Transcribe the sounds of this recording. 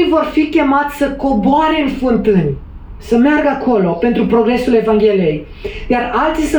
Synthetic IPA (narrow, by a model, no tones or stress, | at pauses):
jvo̞rfikʲe̞mat̪sʲsəko̞boaɾe̞ɨnfɨnt̪ɨnʲ | səmearɡakʰo̞lo̞pe̞nt̪ɾupɾo̞ɡɾe̞sule̞vaŋɡʲe̞lije̞j | d̪earalt̪sisɨ